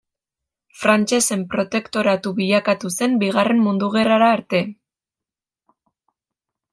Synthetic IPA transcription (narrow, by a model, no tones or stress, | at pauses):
fɾant͡ʃe̞se̞mpɾo̞t̪e̞kt̪o̞ɾat̪uβiʎakat̪use̞mbiɣ̞are̞mmund̪uɣe̞raɾaːɾt̪e̞